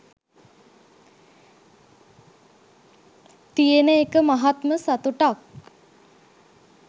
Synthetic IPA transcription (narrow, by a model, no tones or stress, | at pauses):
t̪ijenəekəmaɦat̪məsat̪uʈak